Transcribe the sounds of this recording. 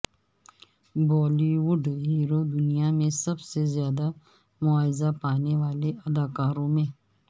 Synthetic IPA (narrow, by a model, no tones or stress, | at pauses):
bɔːliwʊɖɦiːɾod̪ʊnijamẽsɐbsezjaːd̪a | mʊaːɪzapaːneʋaːleɐd̪aːkaːɾõmẽː